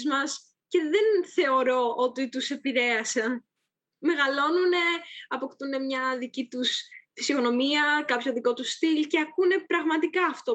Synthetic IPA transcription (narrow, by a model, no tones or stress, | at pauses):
zmɐs | ce̞ðe̞nθe̞o̞ɾo̞ot̪it̪use̞piɾe̞ɐse̞ | me̞ɣɐlo̞nune̞ɐpo̞kt̪une̞mɲɐðicit̪usfisiono̞miɐkɐpço̞ðiko̞t̪ust̪ilce̞ɐkune̞pɾɐɣmɐt̪ikɐːft̪o